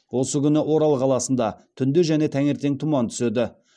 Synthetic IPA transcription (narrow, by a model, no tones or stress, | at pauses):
wo̞səkʲʏnɪʔo̞ɾɑlˠqʰɑlˠɑsənd̪ɑt̪ʰʏnd̪eʒæne̞t̪ʰæŋe̞ɾt̪e̞ŋt̪ʰumɑnt̪ʰʏ̥sed̪ɪ